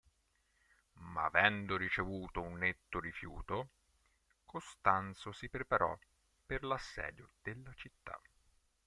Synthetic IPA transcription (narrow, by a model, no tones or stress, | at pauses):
ma̰ːvɛnd̪oɾit͡ʃevuːt̪ounːet̪ːoɾifjṵːt̪o | kost̪ant̪sosipɾepaɾʔɔ̰ | perlasːɛ̰ːd̪jod̪̥elːat͡ʃit̪ːa̰